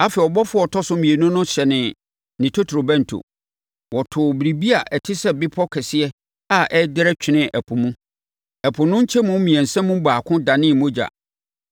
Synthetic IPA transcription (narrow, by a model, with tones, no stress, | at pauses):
a˦fɛ˨ɔ˨bɔ˦fʊ˦ɔ˨tʰɔ˦sʊ˦mĩ˨e˨nũ˦nʊ̃˦ɕɛ˨nɪ̃˨ | nɪ̃˨tʰo˦tʰɾo˨bɛ̃˦n̩˨tʰo̰˨ | wɔ˨tʰʊ˨bɾi˨bi˦a˨ʔɛ˨tʰɪ˦sɛ˦bɪ˦pʰɔ˦kʰɛ˨sɪ˦ɛ˦ | a˦ʔɛ˦dɪ˦ɾɛ˦t͡ɕᶣɪ˨nɪ̃˦ʔɛ˨pʰʊ̃˨mũ˦ | ɛ˨pʰʊ̃˨nʊ̃˦ɲ̩˦t͡ɕʰɛ˦mʊ̃˦mĩ˨ɛ̃˨n̩˨sɛ̃˦mũ˦baː˨kʰʊ̃˦dã˨nɪ̃˦˨mõ˦d͡ʑa̰˨